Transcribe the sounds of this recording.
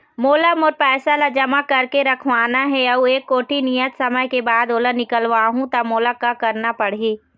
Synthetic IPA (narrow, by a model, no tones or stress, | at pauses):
moːlamoɾpɛːsalad͡ʒɐmakɐɾkeɾɐkʰʋaːnaɦɛɐueːkːoːʈinijət̪sɐməjkebaːd̪oːlənɪkəlʋaːɦũt̪ɐmoːlakakɐɾnapɐɽɦiː